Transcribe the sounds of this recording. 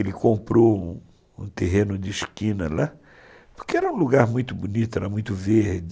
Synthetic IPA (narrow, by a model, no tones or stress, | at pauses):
elɪkõmpɾoũ | ṵ̃t̪eɦẽnʊd͡ʒɪʃkĩnɐ̰la | pʊ̥ɾkeɛɾɐũluɡaɾmũj̃t̪ʊbunit̪ʊɛɾɐmũj̃t̪ʊvehd͡ʒ